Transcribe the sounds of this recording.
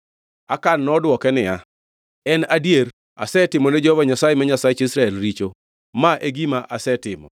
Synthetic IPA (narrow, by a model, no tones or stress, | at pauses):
akanːɔdwɔkɛnɪja | ɛnadijeɾ | a̰sɛtɪmɔned͡ʒɔvaɲasajemaɲasaet͡ʃisɾaɛlɾit͡ʃo | maʔeɡimaʔasɛtɪmɔ̰